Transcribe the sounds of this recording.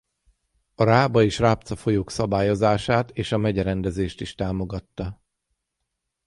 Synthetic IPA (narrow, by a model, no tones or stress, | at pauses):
ɒɾaːbɒeːʃraːpt̪sɒfo̞joːksɒbaːjo̞zaːʃaːt̪eːʃɒmɛɟɛɾɛnd̪ɛzeːʃt̪iʃt̪aːmo̞ɡɒt̪ːɒ